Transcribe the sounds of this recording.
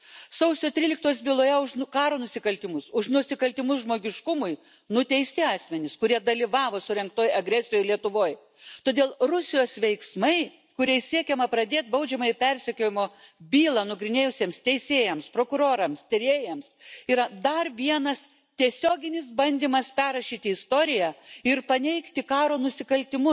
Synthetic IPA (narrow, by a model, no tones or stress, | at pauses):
sɐʊsʲoːt̪ʲɾʲiːlʲɪk̚t̪oɔsʲbʲɪlˠoːjɛʊʃnkɑːɾoːnʊsʲɪkɐlʲt̪ʲɪmʊsʊʃnʊsʲɪkɐlʲt̪ʲɪmʊsʒmoːɡʲɪʃkʊmʊj | nʊt̪ʲɛɪsʲt̪ʲɪɑːsʲmʲɛnʲɪskʊɾʲiɛd̪ɐlʲɪʋɑːʋoːsʊɾʲɛŋk̚t̪oːjɐɡɾʲæsʲɪjoːjlʲiɛt̪ʊʋoːj | t̪oːd̪ʲeːlˠrʊsʲɪjoːsʋʲɛɪksmɐɪ | kʊɾʲɛɪsʲiɛkʲɛmɐpɾɐd̪ʲeːt̪̚bɐʊd͡ʒʲɛmɐjɪpʲɛɾʲsʲɛkʲoːjɪmoːbʲiːlˠɐnʊɡɾʲɪnʲeːjʊsʲiːmst̪ʲɛɪsʲeːjɛmspɾoːkʊɾoːɾɐmst̪ʲɪɾʲeːjɛmsiːɾɐd̪ɐrʋʲiɛnɐs | t̪ʲiɛsʲoːɡʲɪnʲɪs̬bɐnʲd̪ʲiːmɐspʲæːɾɐʃʲiːt̪ʲɪɪst̪oːɾʲɪjæːɪrpɐnʲɛɪkt̪ʲɪkɑːɾoːnʊsʲɪkɐlʲt̪ʲɪmʊ